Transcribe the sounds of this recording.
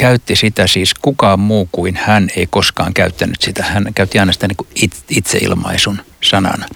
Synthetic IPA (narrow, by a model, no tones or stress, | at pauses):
kæyt̪ːisit̪æsiːskukɑːmmuːkuinhæneikoskɑ̰ːŋkæyt̪ːænːyt̪sit̪æhænkæyt̪ːiɑinɑsi̥t̪æniːŋkuit̪it̪sḛḭlmɑ̰isunsɑnɑ̰nɑ